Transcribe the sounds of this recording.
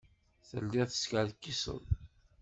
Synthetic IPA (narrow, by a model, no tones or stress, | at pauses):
θə̰lːiʁθə̥skəʕðkːisə̰ð